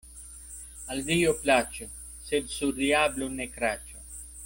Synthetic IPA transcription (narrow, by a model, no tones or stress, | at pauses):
ɐld̪ijoplaːt͡ʃʰu | sed̪suɾijaːblunekɾaːt͡ʃʰu